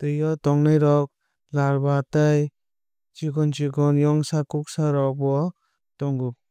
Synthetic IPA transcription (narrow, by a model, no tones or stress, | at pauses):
tɯjɔtɔŋnajɾɔk̚ | laɾbataj | t͡ʃiɡɔnt͡ʃiɡɔnjɔŋsakuk̚saɾɔk̚bɔ | tɔŋɡup̚